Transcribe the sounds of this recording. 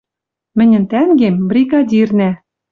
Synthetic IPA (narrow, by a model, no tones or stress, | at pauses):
mɘ̆nʲɘ̆nt̪æŋɡembrʲiɡɑdʲirnæ